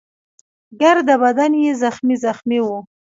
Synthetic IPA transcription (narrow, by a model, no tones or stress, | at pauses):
ɡaɾd̪əbad̪anjezaxmizaxmiwu